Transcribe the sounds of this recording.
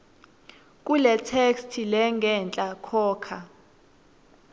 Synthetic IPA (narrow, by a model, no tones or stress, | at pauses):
k̬ʼulɛtʰekstʰilɛŋɡʱɛnt͡ɬʼakʰɔːkʰa